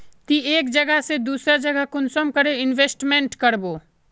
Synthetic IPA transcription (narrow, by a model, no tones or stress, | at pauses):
t̪ieːkd͡ʒɐɡəɦsed̪uːsɾad͡ʒɐɡəɦkʊnsəmkɐɾeɪnʋeːsʈmẽɳʈkɐɾboː